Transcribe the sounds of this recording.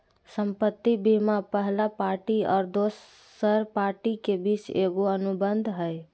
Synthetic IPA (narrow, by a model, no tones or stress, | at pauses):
səmpət̪ːibimapəɦlapaɾʈiɔ̰ːɾd̪osː | əɾpaɾʈikebit͡ʃeɡoənubənd̪ʱɦəj